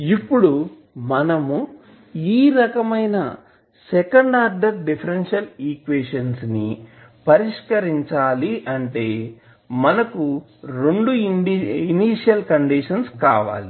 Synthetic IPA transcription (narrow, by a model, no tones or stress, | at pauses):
ipːuɽu | mɐnɐmu | iːɾɐkɐmɐjnɐ | sɛkɐɳɖaːɾɖɐkɖipʰɐɾenʂɐliːkʋeːʂɐnsni | pɐɾiʂkɐɾiɲt͡ʃaːliʔɐɳʈe̞ː | mɐnɐku | ɾeɳɖuɖiniːʂijɐlkɐɳɖiʂɐnska̰ːʋa̰ːli